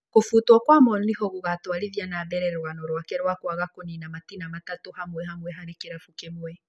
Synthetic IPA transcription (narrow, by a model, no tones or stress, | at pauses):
kofutwɔkwamɔnihɔɣoɣatwaɾeðjanabɛɾɛɾɛɾwanɔɾwakɛɾwakwaɣakoninamatinamatatohamwɛɦamwɛɦaɾekeɾafukemwɛ